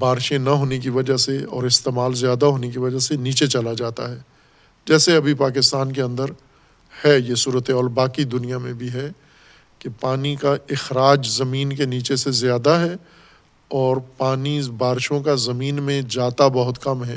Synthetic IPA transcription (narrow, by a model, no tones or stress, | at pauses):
baːɾʃẽnɐɦoːnek̬iʋɐd͡ʒaseɔ̰ːɾɪst̪eːmaːlzjaːd̪aɦoːnek̬iʋɐd͡ʒaseniːt͡ʃet͡ʃɐlad͡ʒaːt̪a̰ɦɛː | d͡ʒɛːseɐbʱipaːk̬ɪst̪aːnk̬eɐ̃nd̪əɾ | hɛjesuːɾət̪ɛɔːlbaːkid̪ʊnijamẽbʱiɦɛ | kepaːnikaɪxɾaːd͡ʒzɐmiːnkeniːt͡ʃesezjaːd̪aɦɛ | ɔːɾpaːnibaːɾʃõkazɐmiːnmẽd͡ʒaːt̪abɐɦʊt̪kɐmɦɛ̃ː